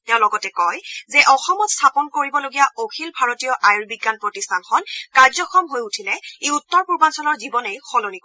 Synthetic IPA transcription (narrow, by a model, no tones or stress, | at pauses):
tɛʊ̃lɔɡɔtɛkɔjzɛʔɔxɔmɔtstʰapɔnkoɹibɔloɡijaokʰilbʱaɹotijɔʔajɹbiɡːanpɹɔtistʰanxɔnkaɹzɔxɔmɦojutʰilɛejutːɔɹpuɹbansɔnɔɹzibɔnejxɔlonik